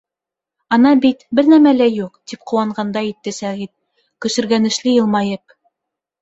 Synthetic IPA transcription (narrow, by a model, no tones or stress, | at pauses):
ɑnɑbit̪bɘɾnæmælæjuqt̪ip̚qŭwɑɴɢɑnd̪ɑit̪ːɘsæʁit̪̚ | kɵ̆ʃɘ̆ɾɡænɘ̆ʃlɘjɤ̆lˠmɑjɤp̚